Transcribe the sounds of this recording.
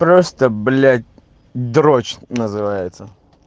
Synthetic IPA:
pɾost̪əblʲat̚ʲ | d̪ɾot͡ɕnəzɨvajɪt̪sə

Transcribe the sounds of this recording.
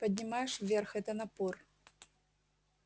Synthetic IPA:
pɐd̪ʲnʲɪmajɛʂvvʲɛrxɛt̪ɐnɐpɔr

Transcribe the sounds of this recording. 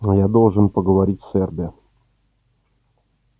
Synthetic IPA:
jad̪o̞lˠʐɨnpəɡəvɐɾʲitʲsʲɛrbʲɪə

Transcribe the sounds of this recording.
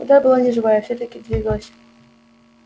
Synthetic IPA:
ṵd̪ɑbɨlˠanʲɪʐɨvajəfsʲot̪akʲidʲvʲiɡlˠsʲ

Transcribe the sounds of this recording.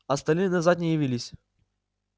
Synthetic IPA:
ɐst̪ɐlʲnɨnɐzat̪nʲɪjɪvʲilʲɪsʲ

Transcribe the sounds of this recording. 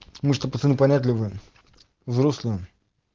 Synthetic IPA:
mɨʂt̪əpɐsɨnɨpɐnʲat̪̬ʲlʲɪvɨ | vzɾoslʲɨə

